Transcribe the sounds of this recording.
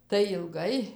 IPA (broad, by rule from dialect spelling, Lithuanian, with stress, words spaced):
tɐɪ ɪlˠˈɡɐɪ